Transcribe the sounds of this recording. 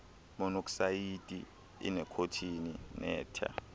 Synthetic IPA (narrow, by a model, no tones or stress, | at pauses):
mɔnoksajitʼḭ | ḭnɛkʰotʰininɛ̰ːtʰa̰